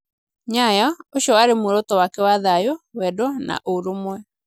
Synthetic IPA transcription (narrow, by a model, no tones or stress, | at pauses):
ɲajɔoɕjɔwaɾemoɾotɔwakɛwaðajowɛdɔna̰ʔoɾomwɛ